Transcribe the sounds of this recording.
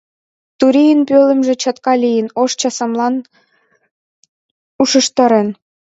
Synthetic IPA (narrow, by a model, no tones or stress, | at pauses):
t̪uɾijənpølə̆mʒĕt͡ɕɑt̪kɑlijənoʃt͡ɕɑsɑmlɑn | uʃə̆ʃt̪ɤ̆ɾen